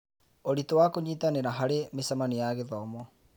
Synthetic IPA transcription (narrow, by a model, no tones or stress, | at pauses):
oɾitowakoɲiːtaneɾaɦaɾemesamanijaɣeðɔmɔ